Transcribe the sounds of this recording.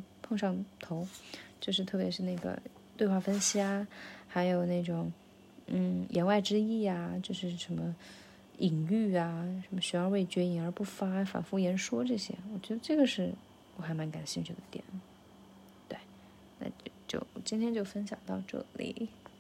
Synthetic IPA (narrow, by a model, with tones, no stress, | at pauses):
pʰɤ˥˧ŋʂɑ˥˩ŋt̪ʰo˧˥ʊt͡ɕjo˥˧ʊʂ̬ɻ̩˥˧t̪ʰɤ˥˩pjɛ˧˥ʂɻ̩˥˧na˥˩ɡə̰˩ | t̪we˥˧ɪxwa˥˩fə˥nɕi˧˥a˥˩xa˧˥ɪjo˨˩ʊne˥˩ɪʈ͡ʂʊ˨˩ŋ | n̩˥˩jʔɛ˧˥nwa˥˩ɪʈ͡ʂɻ̩˥i˥˩a˩t͡ɕjo˥˧ʊʂɻ̩˥˩ʂə˧˥nmə˧ | i˨˩ŋy˥˩a˩ʂə˧˥mə˧ɕy˧˥jɑ˥˧we˥˩ɪt͡ɕɥɛ˧˥i˧˩ŋə˞˧˥pu˥˩fa˥fa̰˨˩nfu˥jɛ˧˥nʂwɔ˥ʈ͡ʂɤ˥˩ɕjɛ̰˥wɔ˨˩t͡ɕɥɛ˧˥d̪ə˧ʈ͡ʂɤ˥˩ɡə˩ʂɻ̩˥˩ | ɔ˧˥xa˧˥ɪma˧˥nka˨˩nɕi˥˧nt͡ɕʰy˥˩d̪ə˩t̪jɛ̰˨˩˦n | t̪we˥˩ɪ | na̰˥˧t͡ɕjo̰˥˩ʊt͡ɕi˥nt̪ʰjɛ˥nt͡ɕjo˥˩ʊfə˥nɕjɑ̰˨˩ŋt̪ɑ˥˧ʊʈ͡ʂɤ̰˥˩lḭ˨˩